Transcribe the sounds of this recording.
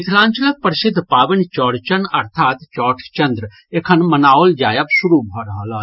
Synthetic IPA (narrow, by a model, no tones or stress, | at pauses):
ɪt̪ʰlãːɲt͡ʃələk̚pəɾɪsɪd̪ʱːpaːʋɪnt͡ʃɔːɽt͡ʃənɐ̰ɾt̪ʰaːt̪t͡ʃɔːʈʰt͡ʃɐnd̪ɾ | ekʰənmɐnaːold͡ʒaːjəpsʊɾubʱɔːɾɐɦlaː